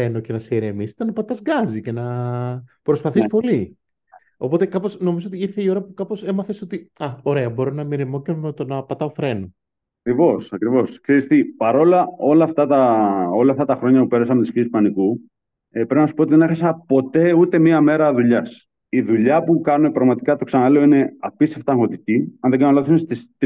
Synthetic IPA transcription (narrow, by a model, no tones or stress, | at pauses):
e̞noce̞nɐseeɾemist̪enɐpɐt̪ɐzɡɐzice̞nɐ | pɾo̞spɐθispo̞li | o̞po̞t̪e̞kɐpo̞sno̞mizoot̪iiɾθe̞io̞ɾɐpukɐpo̞se̞mɐθe̞so̞t̪iɐo̞ɾe̞ɐbo̞ɾonɐmiɾemo̞cenomet̪onɐpɐt̪ɐofɾe̞no | ɐkɾivo̞sɐkɾivo̞skseɾist̪ipɐɾo̞lɐo̞lɐːft̪ɐt̪ɐo̞lɐft̪ɐt̪ɐxɾo̞ɲɐpupe̞ɾɐsɐmet̪isçiespɐniku | epɾepinɐsu̥pot̪iðe̞nexɐsɐpo̞t̪e̞ut̪e̞miɐme̞ɾɐðuʎɐs | iðuʎɐpukɐnune̞pɾɐɣmɐt̪ikɐt̪o̞ksɐnɐle̞o̞ine̞ɐpiseft̪ɐŋɣo̞t̪iciɐnðe̞ɡɐnɐloθθunest̪ist̪